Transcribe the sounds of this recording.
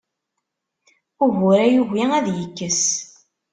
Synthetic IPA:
ʊʝʊɾæjuʝiæðjəkːəs

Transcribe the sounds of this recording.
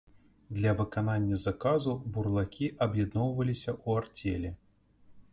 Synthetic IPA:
d̪lʲɐvɨkananʲːɐzakazuburlˠakʲiʔɐbjɛd̪nɔwvɐlʲisʲɐʔuart͡sʲɛlʲɛ

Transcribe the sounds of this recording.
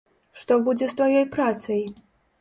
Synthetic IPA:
ʂt̪ɔbud͡zʲɛst̪vajɔjpɾat̪sɐj

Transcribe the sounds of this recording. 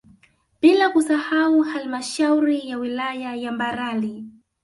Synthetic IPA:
pilakusahauhalmaʃawɾijawilajajambaɾali

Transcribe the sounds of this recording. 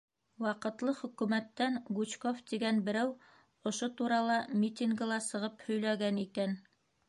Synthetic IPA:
wɑqɤ̆t̪lˠɤχɵ̆kʉmæt̪ːæŋɡut͡ɕkoft̪iɡænbɘ̆ɾæw | ŏʃot̪uɾɑlˠɑmʲit̪ʲiŋɡɤ̆lˠɑsɤ̆ʁɤphɵ̆jlæɡænikæn

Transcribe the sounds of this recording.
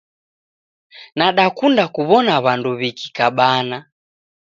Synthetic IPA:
naɗakundakuβɔnaβanduβiki̥kaɓana

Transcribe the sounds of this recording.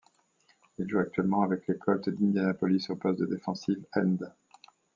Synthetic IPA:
ilʒuak̚t̪ɥɛlmɑ̃avɛklekʰɔlt̪d̪ĩnd̪janapɔlisypɔst̪d̪əd̪efɑ̃sivɛnd̪

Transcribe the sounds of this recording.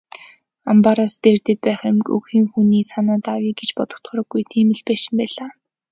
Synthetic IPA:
ampaɾaːst̪eːrt̪ɘ̆t̪̚pæːχɪmkɵ̰ɣxiːŋxuniːsanaːt̪awiːɡet͡ɕpɔt̪ɞ̆kt̪χʊ̆ɾɞ̆ɡːujt̪ʰiːmɘ̆ɮpæːʃɪ̆mpæːɮaː

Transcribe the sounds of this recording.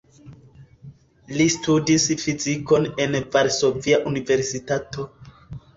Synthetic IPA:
listudisfiziko̞ne̞nvaɾso̞viaʔunive̞ɾsitato̞

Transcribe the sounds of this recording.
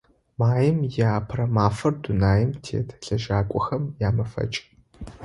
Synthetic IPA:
maːjɪmjaːpʰrɐmaːfɐrdʊnaːjɪmtʰḛːtʰɬɐʒaːkʷʼɔxɐmjaːmɐfɐ̰t͡ʃʼ

